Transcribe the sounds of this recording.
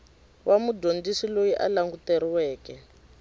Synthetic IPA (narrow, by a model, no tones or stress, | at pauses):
wʔamudondisilojiʔa̰laŋɡutɛɾiwɛːkɛ